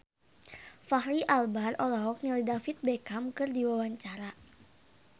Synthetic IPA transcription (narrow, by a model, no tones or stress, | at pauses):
fahliʔalbarɔlɔɦɔk̚nilidafit̪̚bɛkamkɨrdiwawaɲt͡ʃaɾa